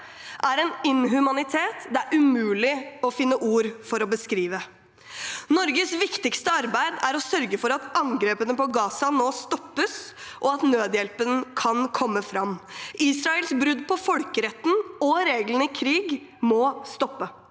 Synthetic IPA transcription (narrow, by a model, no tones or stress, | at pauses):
ʔæɾɛnɪnɦʉmɑnɪt̪ʰeːt̪d̪ææɾʔʉmʉːlɪɔfɪnːəʔuːɾfɔɾɔbəskɾiːʋə | nɔɾɡəsʋɪkt̪ɪkst̪əɑɾbæɪd̪æɾɔsœɾɡəfɔɾɑt̪ɑŋɡɾeːpənəpɔɡɑːsɑnoːst̪ɔpːəsʔɔɑt̪nøːd̪jɛlpənkʰɑnkʰɔmːəfɾɑmːʔiːsɾɑɛlsbɾʉd̪pʰɔfɔlkəɾɛt̪ːn̩ɔɾeːɡlən̩ɪkʰɾiːɡ | mɔst̪ɔpːə